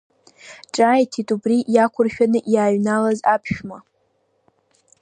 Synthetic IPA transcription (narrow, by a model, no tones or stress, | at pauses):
ʈ͡ʂʼajtʰitʼubriʔjakʷʰʊrʃᶣanɨʔjaːɥnalazapʰʃᶣma